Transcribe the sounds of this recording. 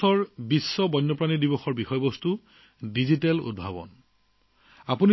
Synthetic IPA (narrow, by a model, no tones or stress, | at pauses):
ɔɹbisːɔbɔnːɔpɹanidibɔxɔɹbixɔjɔbɔstu | dizitɛlṵd̚bʱabɔ̰n | apuni